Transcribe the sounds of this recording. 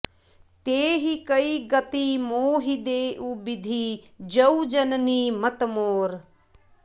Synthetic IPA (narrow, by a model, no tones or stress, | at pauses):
t̪eːɦikɐiɡɐt̪imoːɦid̪eːʔubid̪ʱi | d͡ʒɐud͡ʒɐnnimɐt̪moːɾ